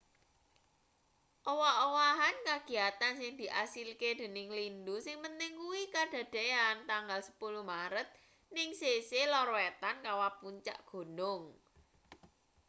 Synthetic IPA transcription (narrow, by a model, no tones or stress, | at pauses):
ʔowaʔowaɦankaɡ̥i̤at̪ansɪŋd̪̥i̤ʔasilked̪̥e̤nɪŋlindusɪŋmənt̪ɪŋkuwikaɖ̥ä̤d̪̥eant̪aŋɡalsə̥pulumaɾət̪̚ | nɪŋseselɔɾoet̪ankawapuɲt͡ʃa̰ʔɡ̥o̤nʊŋ